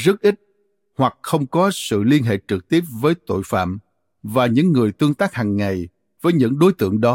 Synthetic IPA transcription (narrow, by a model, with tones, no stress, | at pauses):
zə˦˥t̚ʔi˦˥t̚ | hwa˨˩k̚xə˧wŋ͡mkɔ˨˦sɨ̰˧˨li˧ənɦḛ˧˨t͡ɕɨ˨˩k̚t̪i˦˥əp̚vəː˨˦jt̪o̰˧˨jfa̰ː˧˨m | vaː˨˩ɲɨ̰˧˥ŋːɨ˨˩əjt̪ɨ˧əŋt̪aː˦˥k̚haː˨˩ŋːa˨˩j | vəː˨˦jɲɨ̰˧˥ŋɗo˨˦jt̪ɨ̰˧˨əŋɗɔ˨˦